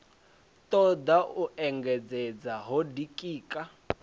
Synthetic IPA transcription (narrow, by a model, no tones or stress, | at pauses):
tɔd̪aʔuʔɛŋɡɛd͡zɛd͡zaɦɔdikʼiːkʼa